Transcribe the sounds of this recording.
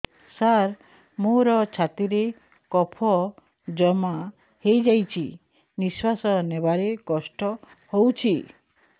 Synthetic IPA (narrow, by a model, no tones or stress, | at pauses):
saɾ | moɾɔt͡ʃʰat̪iɾe | kɔpʰɔ | d͡ʒɔma | hejd͡ʒajt͡ʃʰi | niswasɔnebaɾekɔsʈɔ | howt͡ʃʰi